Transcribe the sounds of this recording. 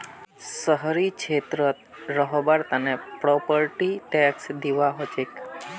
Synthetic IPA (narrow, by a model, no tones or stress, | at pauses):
səɦɾit͡ʃʰet̪ɾət̪ɾəɦbaɾt̪ənepɾɔpəɾʈiʈɛksd̪iʋaɦot͡ʃek